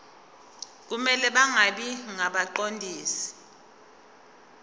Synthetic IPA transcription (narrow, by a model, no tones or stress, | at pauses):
k̬umɛlɛɓaŋaɓiŋaɓaǃondʱiːsi̥